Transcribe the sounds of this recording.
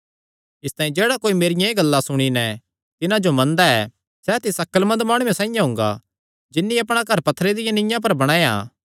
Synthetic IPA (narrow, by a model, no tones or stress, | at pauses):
ɪst̪aːĩd͡ʒeːɽakoːimeːɾɪjãeɡɐlːasʊɽ̃inɛ | t̪ɪnãd͡ʒomɐ̃nd̪aɛ | sɛt̪ɪsɐkːəlmɐ̃nd̪maːɽ̃ujẽsãːĩjãɦʊ̃ŋɡa̰ | d͡ʒɪnːiɐpɽ̃akɐɾpɐt̪ʰːɾed̪ɪjãnɪ̃jãp̬ɐɾbɐɽ̃aːjã̰ː